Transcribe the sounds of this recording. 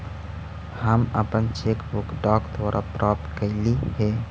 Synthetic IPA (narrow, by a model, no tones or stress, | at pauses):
həmə̰pənt͡ʃekbukɖɔkt̪ʰʋoɾʔa̰pɾʔɔːp̚t̪kəɪlihe